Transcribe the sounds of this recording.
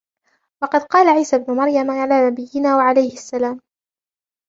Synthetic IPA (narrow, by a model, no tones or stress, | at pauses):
wɑqɑd̪qɑːlaʕiːsabnʊmaɾjamʕalaːnabɪjːɪnaːwaʕalajhɪasːalaːm